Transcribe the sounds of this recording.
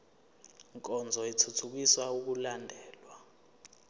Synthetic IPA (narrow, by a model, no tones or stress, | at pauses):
ŋkʼɔnd͡zʱɔitʰutʰuk̬iswauk̬ulandʱɛːlwa